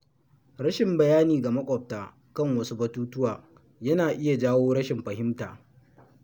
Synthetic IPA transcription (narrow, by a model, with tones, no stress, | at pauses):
ɽɐ˦ʃɪ˨mbɐ˨jaː˦niː˨ɡa˨mɐ˦kʷʼɔ˨p̚taː˨ | kɐ˦˨ŋwɐ˦su˦bɐ˦tuː˦tʊ˦waː˨ | jɐ˦naː˨ʔɪ˦ja˨d͡ʒaː˦woː˦ɽɐ˦ʃɪ˨mɸɐ˨hɪ˦mtaː˨